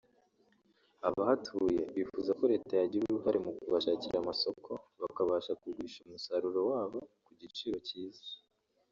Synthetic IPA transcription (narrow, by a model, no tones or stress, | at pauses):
aβahatʰuje̞βifuzako̞ɾe̞ːtajaɟiɾuɾuɦaɾemukuβaʃaːciɾamaso̞kʰo̞βakaβaːʃakuɡiːʃumusaɾuɾo̞waːβo̞kuɟit͡ʃiːɾo̞ciːzḁ